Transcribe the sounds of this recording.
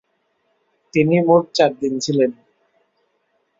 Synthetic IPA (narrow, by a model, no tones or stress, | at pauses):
t̪inimoʈ̚t͡ɕaɾd̪int͡ɕʰilen